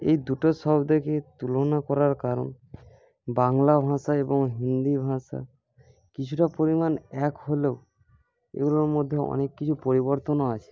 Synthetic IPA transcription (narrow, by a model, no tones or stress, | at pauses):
ḛjd̪uʈoʃɔbd̪ekʰet̪ulonakɔɾaɾkaɾo̰n | baŋlabʱãʃaeboŋɦind̪ibʱãʃa̰ | kit͡ɕʰuʈapoɾimanɛkɦoleo | ḛɡuloɾmod̪ʱːeɔ̰nekːit͡ɕʰupoɾiβoɾt̪onoat͡ɕʰe̥